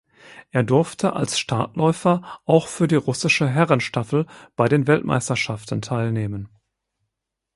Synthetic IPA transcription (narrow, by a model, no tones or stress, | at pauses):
ʔeːɐdʊɐftʰəʔa̰lsʃtʰa̰ːtlɔʏfɐʔaʊxfyːɐdiːʁʊsɪʃəɦɛʁənʃtafl̩b̥aɪdeːnvɛltmʔa̰ɪstɐʃaftn̩tʰaɪlneːmən